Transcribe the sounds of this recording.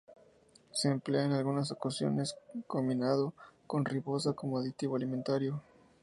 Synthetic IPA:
se̞ːmpleaenalɣunas̬o̞kasjo̰ne̞skominaðo̞ko̞nripo̞sako̞moaðit̪iβo̞alimẽnt̪aɾjo

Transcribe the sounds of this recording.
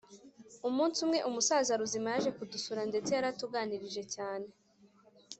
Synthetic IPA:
umuːnsumŋe̞ʔumusaːzaɾuzimajaʒe̞kudusuɾande̞t͡se̞jaɾatuɡaːniɾiʒe̞caːne̞

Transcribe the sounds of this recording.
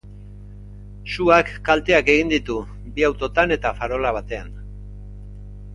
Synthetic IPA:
suakːalt̪e̞ake̞ɣind̪it̪u | biawt̪o̞t̪ane̞t̪afaɾo̞laβ̞at̪e̞an

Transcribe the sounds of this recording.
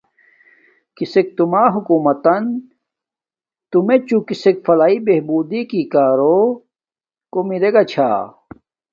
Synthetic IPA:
kisek̚t̪umaːɦukuːmɐt̪ɐn | t̪umet͡ɕukisekfɐlaːibeɦbuːd̪ikikaːɾo | komiɾeɡɐt͡ɕʰa̰ː

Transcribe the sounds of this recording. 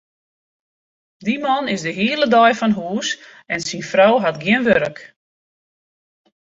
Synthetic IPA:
dimɔnɪsdəɦiələdɔjfɔnɦuːs | ɛnsinfrawɦatɡjɪənʋøɾək

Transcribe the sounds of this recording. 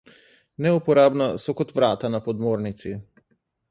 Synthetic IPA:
nɛupɔɾabnasɔkɔt̪vɾat̪anapɔd̪mɔɾnit̪si

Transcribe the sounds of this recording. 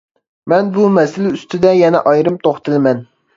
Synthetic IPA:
mɛnbumɛsɪlɪyst̪ʰɪd̪ɛjɛnɛʔɑjɾɨmt̪ʰoχt̪ʰɨlˠɪmɛn

